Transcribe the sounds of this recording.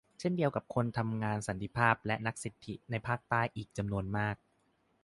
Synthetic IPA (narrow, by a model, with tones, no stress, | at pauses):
t͡ɕʰe˥˩ndi˧əwka˨˩p̚kʰo˧nt̪ʰa˧mŋaː˧nsa˨˩˦nt̪ʰi˧˩pʰaː˥˩p̚lɛ˦˥ʔna˦˥k̚si˨˩t̪ʰːi˦˥na˧jpʰaː˥˩k̚t̪aː˥˩jʔiː˨˩k̚t͡ɕa˧mnu˧ənmaː˥˩k̚